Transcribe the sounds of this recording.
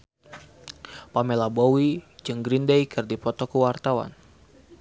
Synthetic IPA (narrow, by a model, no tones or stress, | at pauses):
pamelabowid͡ʒɨŋɡɾindejkɨrdipɔt̪ɔkuwart̪awa̰n